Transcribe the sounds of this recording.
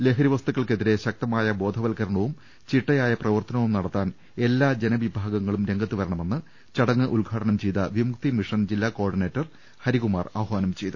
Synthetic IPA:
le̞ːɦʰɐɾiʋɐst̪ukːɐɭke̞ðiɾe̞ɕɐk̚t̪ɐmaːjɐbo̞ːd̪ʱɐʋɐlkɐɾɐɳɐʋum | t͡ɕiʈːɐjaːjɐprɐʋɐrt̪ɐnɐʋumnɐɽɐt̪ːaːn | e̞lːaːd͡ʑe̞nɐʋibʱaːɡɐŋːɐɭumɾe̞ŋɡɐt̪ːuʋɐɾɐɳɐme̞nːɨ | t͡ɕɐɽɐŋːɐʔulɡʱaːʈɐnɐmt͡ɕejt̪ɐʋimuk̚t̪imiʂɐnd͡ʑilːaːko̞ːrɖine̞ːtːɐr | hɐɾiɣumaːrɐʋɐɦʋaːnɐmt͡ɕe̞jt̪ɨ

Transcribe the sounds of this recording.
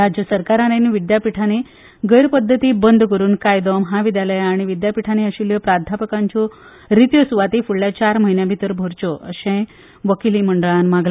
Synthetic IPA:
ad͡ʑjəsəɾkaɾaneniʋid̪japiʈʰane | ɡəjɾpəd̪ʱːət̪iːbənd̪ʱkəɾuːnkajd̪ɔmɦãʋid̪jaləjaɽ̃iʋid̪japiʈʰaneəɕiljəpɾad̪ʱapəkãɲt͡ɕɔ | ɾit̪jəsuʋat̪iːfuɭljat͡ɕaɾməɦinjãbʱit̪əɾbʱoɾt͡ɕɔʔə̰ɕẽ | ʋəkiliːməɳɖəɭãnmaɡl

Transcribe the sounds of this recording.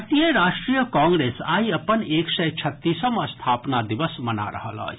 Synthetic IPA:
t̪iəɾaːʃʈɾijəkãːŋɡɾeːsa̰ːiɐpəneːksɛjt͡ʃʰɐt̪ːiːsəmə̃st̪ʰaːpnad̪ɪʋəsmɐna̰ɾɐ̰ɦə̰lə̰ː

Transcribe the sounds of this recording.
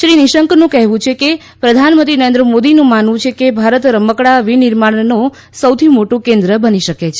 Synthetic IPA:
ʃɾiniʃəŋknũkɛɦʋũt͡ʃʰeke | pɾəd̪ʱanmənt̪ɾinəɾẽnd̪ɾəmod̪inũmanʋũt͡ʃʰekebʱaɾət̪ɾəməkɽaʋiniɾmaɳ̃nõ | səwt̪ʰimoʈũkẽnd̪ɾəbəniʃəket͡ʃʰe

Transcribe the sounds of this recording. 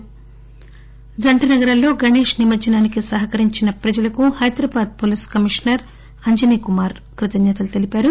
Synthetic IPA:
d͡ʒɐɳʈɐnɐɡɐɾɐllːo̞ːɡɐneːʂnimɐt͡ʃɐnaːnikisɐɦɐkɐɾiɲt͡ʃinɐpɾɐd͡ʒɐlɐkuhɐjd̪ɾɐbaːd̪̚poːliːskɐmiʂnɐɾ | ɐɲd͡ʒɐniːkumaːɾ | kɾit̪ɐɲɲɐːt̪ɐlut̪e̞lipaːɾu

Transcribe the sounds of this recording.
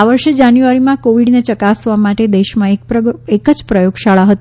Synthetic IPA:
aʋəɾʃed͡ʒanjuʋaɾimãkoʋiɖnet͡ʃəkasʋamaʈed̪eʃmãeekəd͡ʒpɾəjoɡʃaɭaɦət̪

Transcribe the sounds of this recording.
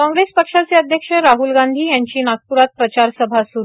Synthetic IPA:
kɔ̃ŋɡɾespəkʂat͡seəd̪ʱjəkʂəɾaɦulɡand̪ʱiːjaɲt͡ɕiːnak̚puɾat̪̚pɾət͡ɕaɾsəbʱasuɾ

